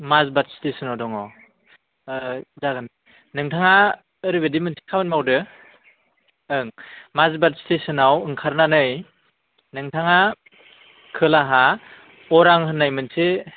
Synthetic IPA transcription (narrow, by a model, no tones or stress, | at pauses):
mazbatstesɯnawdɔŋɔ | zaɡan | nɯŋtʰaŋa | ɯɾibedimɯnsʰi̥kʰabɯnmawdɯ | ɯŋmazbat̚stesɯnawɯŋkʰaɾnanɯj | nɯŋtʰaŋa | kʰɯlaɦa | ɔɾaŋhɯnːajmɯnse